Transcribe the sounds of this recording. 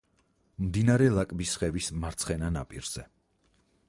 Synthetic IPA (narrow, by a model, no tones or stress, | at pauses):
md̪inaɾɛlˠakʼbisχɛvismaɾt̪sʰχɛnana̰pʼḭɾz̥ɛ